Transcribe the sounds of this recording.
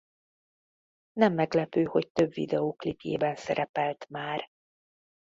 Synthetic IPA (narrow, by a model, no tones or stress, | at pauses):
nɛmːɛɡlɛpøːho̞c̚t̪øbvḭd̪ɛoːklipjḛːbɛnsɛɾɛpɛlt̪maːr